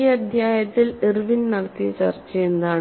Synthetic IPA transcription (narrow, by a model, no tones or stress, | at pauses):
ɐd̪ʱjaːjɐt̪ːilirʋinnɐɽɐt̪ːit͡ɕɐrt͡ɕːɐjend̪aːɳ